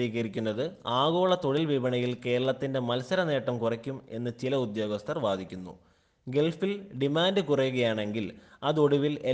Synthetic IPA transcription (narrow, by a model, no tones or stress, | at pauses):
iːɣɐɾikʲːunːɐðɨaːɣo̞ːɭɐt̪o̞ɻilʋibɐɳɐjilke̞ːɾɐɭɐt̪ːinde̞mɐlsɐɾɐne̞ːʈːɐmkurɐkʲːume̞̰nːɨt͡ɕilɐud̪jo̞ːɡɐst̪ʰɐrʋaːd̪ʱikʲːunːṵ | ɡe̞lfilɖimaːndɨkurɐjːuɣɐjaːɳe̞ŋɡilɐðoɽuʋile